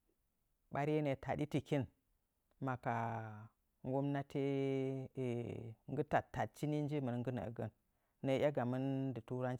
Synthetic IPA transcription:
ɓa˨ɾe˦ne˨tʰa˨di˦ti˨ki˦n | ma˨ka˨ | ŋɡo˦mna˦tʰe˦˨ | ŋɡə˦ta˨tːa˨t̚t͡ʃi˦ni˦n˦d͡ʒi˦mə˨n˦ŋɡə˦nə̰˨ɡə̰˦nː | ə˨˦ja˦ɡa˨mə˦ndə˨tu˦ɾa˦n

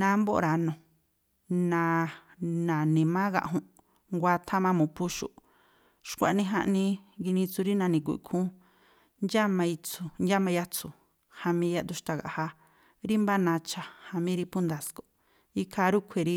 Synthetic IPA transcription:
nã˨˧˦mbo˦ʔɾa˧nõ˨ | nã˧˨ | nã˨nĩ˨mã˦ɣa̰˧ʔɦũ˧ʔ | ŋɡʷa˧t̪ʰa˦mã˧mũ˨pu˦ʃṵ˧˨ʔ | ʃkʷa˨nĩ˧ɦã˧ʔnĩ˧ɡi˧nĩ˧t͡su˧ɾi˦nã˧nĩ˨k̬u˨ʔkʰũ˦ | nd͡ʒa˦mã˧i˧t͡su˧nd͡ʒa˦mã˧ja˦t͡su˨ | ha˧mĩ˧˦ja˦ʔd̪u˧ʃt̪a˧ɣa̰˨ha˧ | ɾi˦mba˦nã˧t͡ʃa˧ha˧mĩ˦ɾi˧pu˦nd̪a˧sko˨ | i˦kʰa˧ɾu˦kʷʰe˧ɾi˦

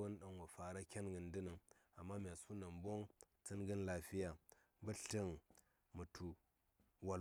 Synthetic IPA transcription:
o˦n˦ɗa˨ŋ˨wa˨fa˨ɾa˦kʲa˦nɡɨ˨n˦dɨ˦nɨ˨ŋa˨mːa˦mʲ˨a˨su˦na˨m˦bo˦ŋ | t͡sɨ˦nɡɨ˦nla˦fi˦ja˨˦ | bə˦ɬə˦ŋ | mɨ˨tʰu˨ | wa˨

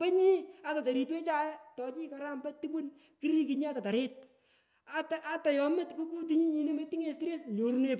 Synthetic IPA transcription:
pɛ˦ɲi˦a˨ta˨ta˨ɾi˨˧twe˦t͡ʃa˦jtɔ˨t͡ʃi˦ka˨ɾa˦mba˦ti˦bu˦n | ki˦ɾi˦ki˨ɲi˦a˦ta˨ta˨ɾɪ˦t̚ | a˨ta˨ʔa˦ta˨jɔ˨mɪ˦tko˦ku˦t̬i˦ɲi˦ɲi˨ne˦me˦ti˦ŋe˨sti˦ɾe˦sɲo˨ɾu˦ne˦p

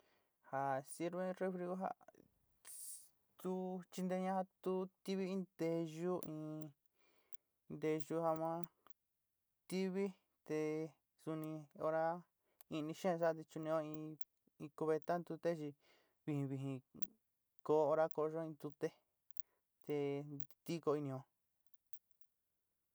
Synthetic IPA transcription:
ha˨si˦ɾβẽ˧re˧fɾi˧ɣo˦ɦa̰˦ | t̪u˦t͡ʃi˧nd̪e˧ɲã˦ha˧t̪u˦t̪i˦βi˦ĩ˧˦nd̪e˧ʒu˦ʔĩ˧ | nd̪e˧ʒu˧˦ha˧mã˦ | t̪i˦βi˦ | t̪e˧ | su˧nĩ˧o˧ɾa˦ | ĩ˧nĩ˧ʃẽ˦˧sa˦˧t̪̬i˧t͡ʃu˧nĩ˧õ˦ĩ˧ | ĩ˧ku˧βe˧t̪a˦nd̪u˧t̪e˦t͡ʃi˧ | βi˧hĩ˧βi˧ɦĩ˧ | ko˧˨˦o˧ɾa˦ko˧ʒo˦ĩ˧nd̪u˧t̪e˦ | t̪e˧t̪i˦ko˧i˧nĩ˧õ˧

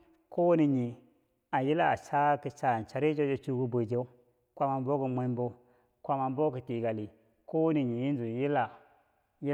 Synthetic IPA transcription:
ko˦wni˨ɲi˨ | a˨ji˦la˦a̰˨t͡ʃa˦kə˨t͡ʃa˦˨n˨t͡ʃa˨ɾi˦d͡ʒo˦d͡ʒo˦t͡ʃu˦ku˦bu˨d͡ʒe˦u˦ | kʷa˦ma˨nbo˦kə˨˦mʷa˦mbo˦ | kʷa˦ma˨nbo˦kə˨ti˨ɡa˨li˨ | ko˦wni˨ɲi˨ji˦n˦zu˨ji˦la˨ | ji˦

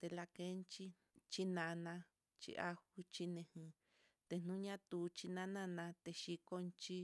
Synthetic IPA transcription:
t̪e˧la˧ke˦nt͡ʃi˦ | t͡ʃi˦nã˧nã˧ | t͡ʃḭ˦˧ʔa˦hu˧t͡ʃi˧nẽ˧hĩ˧ | t̪e˧n̥nũ˦ɲã˦t̪u˨t͡ʃi˧nã˦nã˦nã˧t̪e˧ʃi˧ko˧nt͡ʃi˦

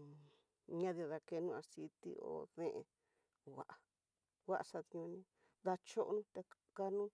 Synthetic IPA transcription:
ɲã˦ði˧a˧ða˧ke˧nũ˦˧a˧si˧t̪ḭ˧o̰˧˨ðẽ˦ʔe˧ | wa̰˨ʔa˨ | wa˦ʔsa˧ðɲũ˧nĩ˧ | ða˧t͡ʃo˦ʔnũ˦t̪e˧ | ka˧nũ˦

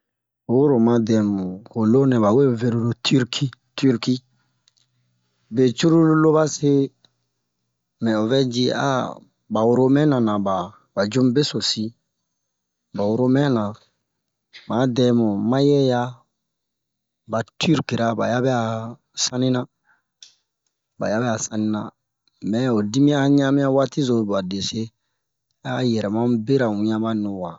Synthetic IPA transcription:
o˦ɾo˨mã˨dɛ˨mũ˨ko˨lo˦nɛ̃˨ba˨we˦˨ve˨ɾu˨do˨tʰi˦ɾkʰi˦ti˦ɾki˦ | be˨t͡ʃu˦ɾu˦lo˦ba˦se˦ | mɛ̃˨o˨vɛ˦d͡ʒi˦a̰˦ | ba˨wo˨ɾo˦mɛ̃˦nã˨nã˨ba˨ | ba˨d͡ʒu˦m˦be˦so˨si˦ | ba˨wo˨ɾo˦mɛ̃˦nã˨ | mã˨˦dɛ˨mɔ̃˨mã˦jɛ˦ja˦ | ba˨tʰy˦ɾki˨ɾa˦ba̰˨ja˦bɛ˦a˨ | sã˦nĩ˦nã˦ | ba̰˨ja˦bɛ˦a˨sã˦nĩ˦nã̰˨ | mɛ˨o˨di˦mĩ˦a˦ɲã˦mĩ˦ja˦wa˦ti˦zõ˨˦ba˨de˨se˦ | a˦jɛ˨ɾɛ˨mã˦be˦ɾa˨wũ˨ɲã˦ba˦nɔ̃˨wa˨

